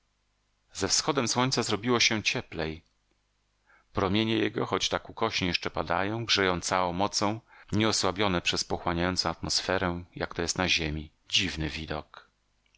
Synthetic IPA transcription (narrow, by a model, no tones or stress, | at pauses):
zɛfsxɔd̪ɛmswɔɲtsazɾɔbʲiwɔɕɛt͡ɕɛplɛj | pɾɔmʲjeɲɛjɛɡɔ̰xɔt͡ɕt̪akukɔɕɲijɛʂt͡ʂɛpad̪a̰jɔ̃w̃ɡʐɛjɔ̃w̃t̪sawɔ̃w̃mɔt̪sɔ̃w̃ɲɛɔswabʲjɔnɛpʂɛspɔxwaɲajɔnsɔ̃at̪mɔsfɛɾɛ̃jakt̪ɔjɛst̪naʑemʲi | d͡ʑivnɘvʲid̪ɔk